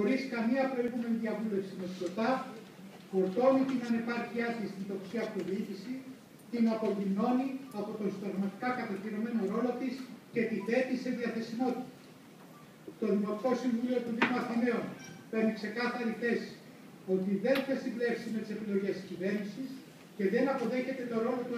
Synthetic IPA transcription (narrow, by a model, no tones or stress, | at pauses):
xo̞ɾiskɐmiɐpɾo̞iɣume̞niðiɐvule̞fsimet̪ilo̞t̪ɐ | foɾt̪o̞nit̪inɐne̞pɐɾçiɐsist̪ind̪o̞ksiɐpt̪oðifisi | t̪inɐpo̞ʝino̞niɐpo̞t̪o̞nsid̪ɐɣmɐt̪i̥kɐkɐt̪ɐciɾo̞me̞no̞ɾo̞lo̞t̪iscet̪iθe̞t̪ise̞ðiɐθe̞simo̞t̪i̥t̪ɐ̥ | t̪o̞ðimo̞t̪i̥ko̞siɱvulio̞t̪onðimuɐst̪ome̞onpenikse̞kɐθɐɾiθe̞s | o̞t̪iðe̞nθɐsible̞ksime̞t̪i̥se̞pilo̞ʝe̞st̪cive̞ɾnisis | ce̞ðe̞nɐpo̞ðe̞çe̞t̪e̞t̪o̞ɾo̞lo̞t̪u